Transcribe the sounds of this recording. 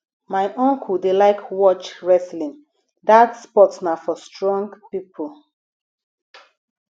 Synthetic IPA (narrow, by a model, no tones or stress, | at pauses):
maɪʔɔ̃ŋkʰudelaɪkʰwɔt͡ʃɹɛslĩŋ | datspɔtsnafɔstɹɔ̃ŋɡpipʰol